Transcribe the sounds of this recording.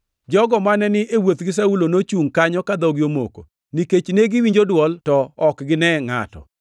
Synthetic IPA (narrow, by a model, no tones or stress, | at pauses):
d͡ʒɔɡɔmanɛnɪʔewot̪ɡɪs̬aulonot͡ʃuŋkaɲɔkad̪ɔɡɪomo̰ko̰ | niket͡ʃneɡɪwiɲd͡ʒodwɔltɔɔkɡɪnɛŋa̰tɔ̰